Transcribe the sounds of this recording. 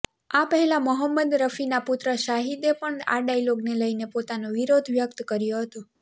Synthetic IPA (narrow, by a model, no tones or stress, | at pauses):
apəɦɛlaməɦəmːəd̪ɾəfinaput̪ɾəʃaɦid̪epəɳa̰ɖailoɡneləinepot̪anoʋiɾod̪ʱʋjək̚t̪kəɾjoɦət̪u